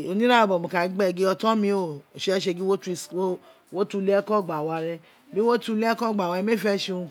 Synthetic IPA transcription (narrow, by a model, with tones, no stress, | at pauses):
o˨˧nĩ˦ɾa˦o˧˨bɔ˨mõ˨ka˨˦ɡ͡bɛ˦˨ɡe˦ɔ˧tɔ̃˦mĩ˧o˨ʃe˧˦ʃe˧ɡi˦wo˦tu˧so˦ | wo˦tu˧˦˧le˦ɛ˦kɔ˦˨ɡ͡ba˨wa˧˨ɾɛ˧ | bi˦wo˦tu˧le˦kɔ˦˨ɡ͡ba˨wa˧i˧˦me˦˨fɛ˦ʃe˧ũ˧